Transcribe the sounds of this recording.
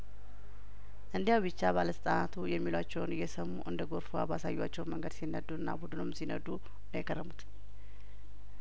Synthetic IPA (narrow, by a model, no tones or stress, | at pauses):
ʔɨnd̪ijawbɨt͡ʃːaβaləsət̪ʼanat̪ʰujɛmːilwat͡ʃːɛwnjɛsəmuʔɨnd̪əɡo̞ɾfoa̰basajːat͡ʃːɛwnməŋɡəd̪sinːəd̪ːuɨnːa̰bud̪ɨnomsinə̰d̪u | əjɛkʰʼərːəmut̪